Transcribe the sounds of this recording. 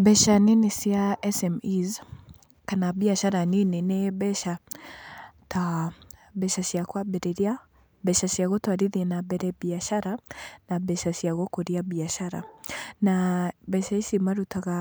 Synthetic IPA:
bɛʃanenesiaɛsɛmiz | kanaβiaʃaɾanineneβɛʃa | ta | bɛʃasjakwabɛɾɛɾia | bɛʃasjaɣɔtwaɾiðiɛnabɛɾɛβiaʃaɾanaβɛʃasiaɣɔkɔɾiaβiaʃaɾa̰nabɛʃaisimaɾutaɣa

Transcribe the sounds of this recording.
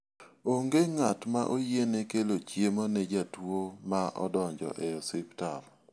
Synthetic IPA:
oŋɡeŋatmaʔojenekelot͡ʃjemonɛd͡ʒatwomaʔɔ̰dɔɲd͡ʒɔ̰ʔɛɔsɪptaɾ

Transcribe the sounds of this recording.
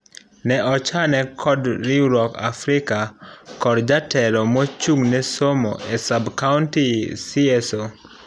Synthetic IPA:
nɛʔɔt͡ʃanɛkʰɔdɾiɾɔka̰fɾikakɔɾd͡ʒatʰɛɾɔmɔt͡ʃuŋnɛsomo̰ʔɛsabkauntisiɛso

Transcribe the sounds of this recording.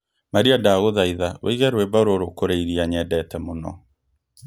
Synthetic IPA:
maɾiadaɣoðaiðawʔḛiɣɛɾwɛbaɾoɾokoɾeiɾiaɲɛdɛtɛmonɔ̰

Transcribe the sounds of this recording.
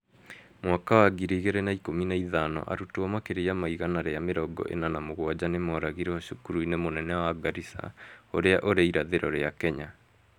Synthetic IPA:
mwakawaɡiɾiɣeɾɛnaikominaiðanɔ̰ʔa̰ɾutwɔmakeɾejamaiɣanaɾeameɾɔɡɔ̰ʔḛnanamoɣwad͡ʑanemɔɾaɣiɾɛɔɕukuɾuinemonɛnɛwaɡaɾisa̰oɾeaʔoɾeiɾaðeɾɔɾeakɛɲa

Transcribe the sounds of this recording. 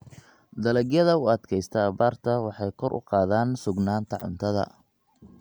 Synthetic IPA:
d̪ɐlɛɡjɐðɐʊɐd̪kʰɛjst̪ʰɐːβaːrt̪ʰɐwɑħɑjkʰɔrʔʊ̰qɑːðaːnsʊɡnaːnt̪ʰɐʕʊ̰nt̪ʰɐðɐ̰

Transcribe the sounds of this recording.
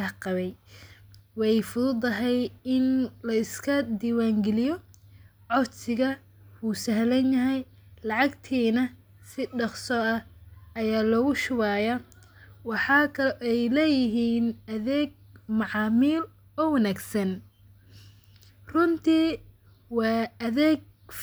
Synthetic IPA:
qɑβɛj | wɑjfʊðʊd̪ɐɦɛjɪnlɐɪskʰɐd̪iːwaːŋɡɛlɪjɔ | ʕɔɾsɪɣɐ | uːsɐhlɐnjɐɦɛj | lɑʕɑɡt̪ʰiːnɐ | sɪɖɑqsɔɐhɐjaːlɔːɣʊʃʊwaːjɐ | wɑħɑkʰɐɛjlɛːjɪɦiːnɐðɛːɡ̚mɑʕɑːmiːl | ɔːwɑnaːɡsɐn | rʊnt̪ʰiː | wɑːɐðɛːɡ̚

